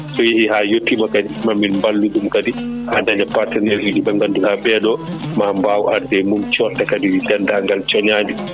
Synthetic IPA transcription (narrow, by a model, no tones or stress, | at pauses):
sɔjihihaːjotʰːimakadimamːinmbalːuɗumkadi | hadaɲapatɛnɛɾhiɗibaŋɡanduhabɛɗɔ | maːmbaːwʔaɾdɛmumt͡ʃɔtːakadididandaŋɡalt͡ʃɔɲaːdi